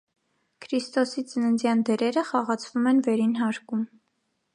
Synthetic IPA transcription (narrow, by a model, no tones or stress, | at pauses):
kʰɾist̪ɔsit͡sənənd͡zjɑnd̪ɛɾɛɾəχɑʁɑt͡sʰvumɛnvɛɾinɦɑɾkum